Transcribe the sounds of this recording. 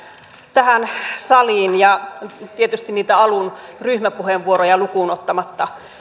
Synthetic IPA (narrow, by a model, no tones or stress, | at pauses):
t̪æhænsɑliːnjɑt̪iet̪yst̪inniːt̪æɑlunryhmæpuheʋʋuorojɑlukunot̪ːɑmɑt̪ːɑ